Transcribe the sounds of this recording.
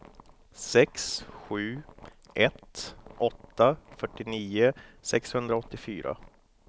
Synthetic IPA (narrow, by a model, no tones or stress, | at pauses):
sɛksɧʉ̟ː | ʔɛt̪ʔɔt̪ːafœʈːɪniːəsɛkshɵnd̪ɾaɔt̪ːɪfyːɾa̰